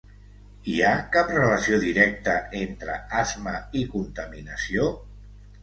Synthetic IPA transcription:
iakaprələsioðiɾɛk̚t̪əent̪ɾə̰azməikunt̪əminəsio

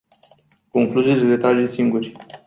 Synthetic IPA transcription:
ko̞ŋkluzileɾe̞t̪ɾad͡ʒesiŋɡurʲ

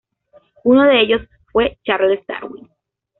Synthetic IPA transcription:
unoðe̞eʝo̞s | fwe̞t͡ʃareðest̪a̰ɾwḭn

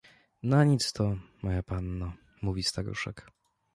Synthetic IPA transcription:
naɲit̪st̪ɔmɔjapanːa | muvʲist̪aɾṵʂɛ̰k

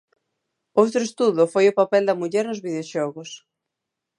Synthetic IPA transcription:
owt̪ɾʊest̪uðʊfojʊpapɛld̪ɐmuʎɛɾnʊzβiðeoʃɔɣʊs

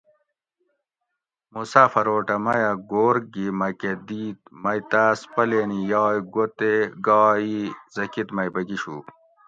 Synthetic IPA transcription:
musaːfɐɾoːʈɐmɐjɐɡoːɾɡimɐked̪iːt̪̚mɐjt̪aːspɐleːnijɑːjɡot̪eɡɑːizɐkit̪mɐjbɐɡiɕṵː

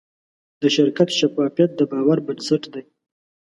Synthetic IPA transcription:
d̪əʃɪɾkat̪ʃafɑfijat̪̚d̪əbɑwaɾbansɪʈd̪aj

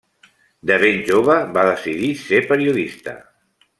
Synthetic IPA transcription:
d̪əβenʲʒoβ̞əβaðəsiðisepəɾiuðist̪ə̰

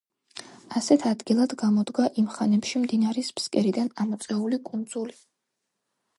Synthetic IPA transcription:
asɛt̪ʰad̪ɡilˠad̪ɡamɔd̪ɡaʔimχanɛpʃimd̪inaɾɛspskʼɛɾid̪anamɔt̪sʼɛulikʼund̪zuli

